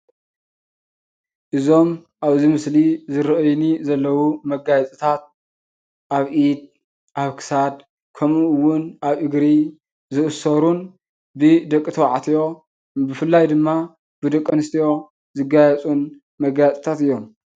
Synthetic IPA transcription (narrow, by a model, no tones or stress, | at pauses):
ʔɨzo̞m | ʔaβzimɨslizɨɾɐʔɨjnizɐlːɐwumɐɡajɛt͡sʼɨt̪ʰat̪̚ | ʔaβʔid̪̚ | ʔaβkʰɨ̥sad̪̚ | kʰɐmuwʊnʔaβɨɡɾi | zɨʔɨsɐɾun | bɨd̪ɐkʼːɨt̪ʰɐwaʕat̪ʰjo̞ | bɨfɨlːajd̪ɨmːa | bɨd̪ɐkʼːɐnɨst̪ʰijo̞ | zɨɡajɛt͡sʼun | mɐɡajt͡s̪ʼt̪ʰat̪ɨjːo̞m